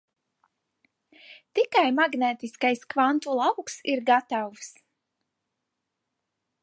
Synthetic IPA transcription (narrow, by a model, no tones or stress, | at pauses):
t̪ikajmaɡnɛːt̪iskajskvant̪ulˠawksiɾɡat̪aws